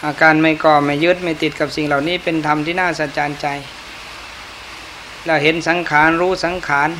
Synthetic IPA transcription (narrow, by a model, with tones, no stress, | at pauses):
ʔaː˧˩kaː˧nma˧˩jkɔː˧˩ma˧˩jːɯ˦˥t̪̚ma˥˩jt̪i˨˩t̪̚ka˨˩p̚si˨˩ŋla˨˩wniː˦˥˨pe˧nt̪ʰa˧mt̪ʰiː˧˩˨naː˥˩sa˨˧˩t͡ɕaː˧nt͡ɕa˧j | lɛː˧˩whe˨˦nsa˨˦ŋkʰaː˩˦nɾuː˦˥sa˨˦ŋkʰaː˩˦n